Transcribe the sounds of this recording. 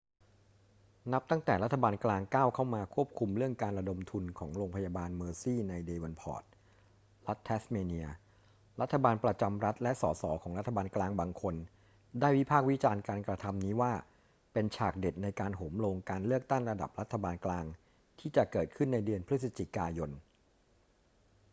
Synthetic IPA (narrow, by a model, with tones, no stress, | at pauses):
na˦˥p̚t̪a˥˩ŋt̪ɛː˨˩ɾa˦t̪ʰːa˧baː˧nklaː˧ŋkaː˥˩wkʰa˥˩wmaː˧kʰu˥˩əp̚kʰu˧mɾɯ˥˩əŋkaː˧nɾa˧do˧mt̪ʰu˧nkʰɔː˩˦ŋɾoː˧ŋpʰa˧jaː˧baː˧nmɤː˧siː˥˩na˧jdeː˧wa˧npʰɔ̰ː˨˩t̪̚ | la˦˥t̪ʰːɛː˦˥smeː˧ni˧ɐ | ɾa˦˥t̪ʰːa˧baː˧npɾa˧t͡ɕa˧mɾa˦˥t̪̚lɛ˦˥ʔsɔː˩˦sɔ̰ː˩˦kʰɔː˩˦ŋɾa˦˥t̪ʰːa˧baː˧nklaː˧ŋbaː˧ŋkʰo˧n | daː˥˩jwi˦˥pʰaː˥˩k̚wi˦˥t͡ɕaː˧nkaː˧nkɾa˧t̪ʰa˧mniː˦˥waː˥˩ | pe˧nt͡ɕʰaː˨˩k̚de˨˩t̪̚na˧jkaː˧nɦoː˩˦mɾoː˧ŋkaː˧nlɯ˥˩ək̚t̪a˥˩ŋɾa˧da̰˨˩p̚ɾa˦˥t̪ʰːa˧baː˧nklaː˧ŋ | t̪ʰiː˥˩t͡ɕa˨˩kɤː˨˩t̪̚kʰɯ˥˩nːa˧jdɯ˧ənpʰɾɯ˦˥sa˧t͡ɕi˨˩kaː˧jo˧n